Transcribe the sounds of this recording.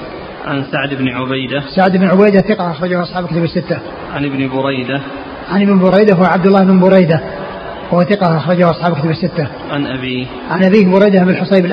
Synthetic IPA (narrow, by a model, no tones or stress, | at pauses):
ʕa̰nsaʕd̪ɪbnʕʊbajd̪asaʕd̪ɪbnʕʊbajd̪aθɪqɑhʔaxɾˤɑd͡ʒahʔɑsˤħɑːbkɪt̪abɪsːɪt̪ːa | ʕanɪbnbʊɾɑjd̪a | ʕanɪbnbʊɾˤɑjd̪aɦʊwaʕab̚d̪ʊlːaːmɪnbʊɾˤɑjd̪a | wʊhaθɪqɑʔɑxɾˤɑd͡ʒahʊʔɑsˤħɑːbkɪt̪abɪsːɪt̪ːa | ʕanʔabiː | ʕanʔabiːbʊɾˤɑjd̪ahbɪlħʊsˤejbɪl